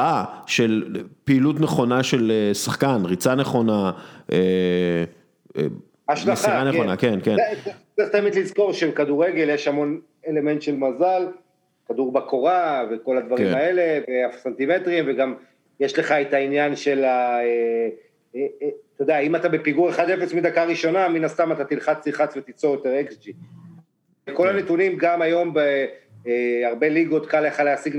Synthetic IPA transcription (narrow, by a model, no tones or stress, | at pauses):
aʃelpiːlut̪neχo̞naʃelesaχkanʁit͡saneχo̞naʔe | aʃʃlaχiaʁanekonakenkenet͡seχt̪aemid̪lizko̞ʁʃebekaduʁeɡe̞ljeʃhamo̞n | ele̞me̞nt̪ʃelmazal | kad̪uʁbako̞ʁaveko̞lad̪vaʁimae̞le̞veafsant̪ime̞tʁimveɡam | jeʃle̞χaet̪ainjanʃe̞lae | t̪ed̪eaimat̪abe̞piɡuʁeχad̪efesmid̪akaʁiʃo̞naminast̪amat̪at̪ilχat͡siχat͡svet̪it͡sojot̪eʁeksd͡ʒi | ko̞lanet̪unimɡamajo̞mbe | aʁbe̞liɡo̞t̪kaleχaleasiɡ